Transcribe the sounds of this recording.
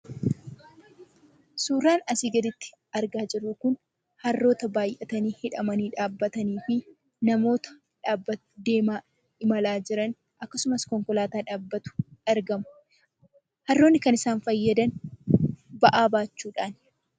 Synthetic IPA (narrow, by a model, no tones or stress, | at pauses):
suːrːaːnɐsiːɡɐd̪ɪt̪ːɪ̥ | ɐɾɡaːd͡ʒɪrːʊkʊn | hɐrːo̞ːt̪ɐbaːjʔɐt̪ɐniːhɪᶑɐmɐniːᶑaːbːɐt̪ɐniːfɪ | nɐmo̞ːt̪ɐ̥ | ᶑaːbːɐt̪ʊ̥d̪e̞ːmaː | ɪmɐlaːd͡ʒɪɾɐn | ɐkːɐsʊmɐskɔŋkɔlaːt̪aːᶑaːbːɐt̪ʊ̥ɐɾɡɐmʊ̥ | hɐrːo̞ːnːɪkɐnɪsaːnfɐjːɐd̪ɐn | bɐʔaːbaːt͡ʃːuːᶑaːn